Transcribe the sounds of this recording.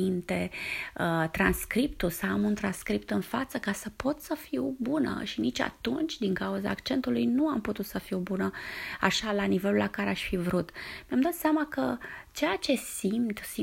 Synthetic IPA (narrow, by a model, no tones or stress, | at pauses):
int̪eət̪ɾanskɾipt̪ulsaamunt̪ɾanskɾipt̪ɨnfat̪səkasəpo̞t̪səfiwbunə̰ʃinit͡ʃʲa̰t̪unt͡ʃʲd̪iŋkauza̰ːkt͡ʃe̞nt̪ulujnuamput̪ut̪səfiwbunəa̰ʃalanive̞lulakaɾe̞aʃfivɾut̪meamd̪at̪seamakət͡ʃe̞jat͡ʃe̞simt̪si